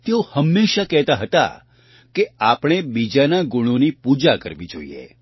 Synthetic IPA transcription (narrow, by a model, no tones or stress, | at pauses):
t̪eohəmːeʃakɛɦt̪aɦət̪a̰ | keapɽ̃ebid͡ʒanaɡuɽ̃onipud͡ʒakə̰ɾʋid͡ʒo̰ḭḛ